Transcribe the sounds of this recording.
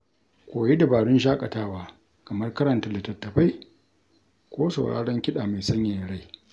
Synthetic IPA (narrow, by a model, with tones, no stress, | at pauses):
kʷoː˨je˦da˨baː˨ɽʊ˦nʃ̬aː˦kʼɐ˨taː˦waː˦ | kɐ˨mɐ˦rkɐ˦ɾɐ˨nta˨lɐ˨tɐ˨tːɐ˨ɸa˦j | kʷoː˦sa̰˨wɽa̰ː˦ɽɐ˦ŋkʲɪ˦ɗaː˨ma˨sɐ˦ɲjaː˨jɽa˦j